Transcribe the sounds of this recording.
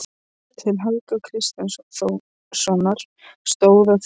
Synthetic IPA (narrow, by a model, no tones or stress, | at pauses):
t̪ʰɪlɦalkakʰɾɪst̪ɛnsθo | sɔnaɾ̥ | st̪oːwðaθ